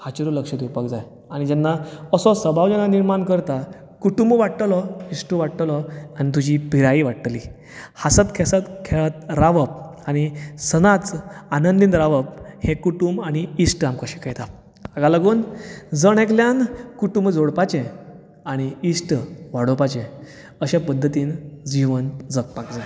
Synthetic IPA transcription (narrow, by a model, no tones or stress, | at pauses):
hat͡ɕiɾuləkʂət̪upakd͡zaj | aɽ̃id͡ʑɛnːaəsɔsəbʱaʋd͡ʑɛnːaniɾmankəɾt̪a | kuʈumbʋaɽʈəlɔisʈuʋaɽʈəlɔanit̪̬ud͡ʑipiɾaiʋaʈːli | hasət̪kʰɛsət̪kʰet̪̚ɾaʋəp̚aɽ̃isənat͡sanənd̪inɾaʋəp̚hekuʈumbañiisʈamkəɕẽkʰejt̪a | aɡaləɡoːnd͡zəɳekljankuʈumbd͡zʱoɽpat͡ɕẽ | aɽ̃iisʈʋaɽopat͡ɕẽ | əɕepəd̪ʱːət̪iːnd͡ʑiʋənd͡zək̚pakd͡za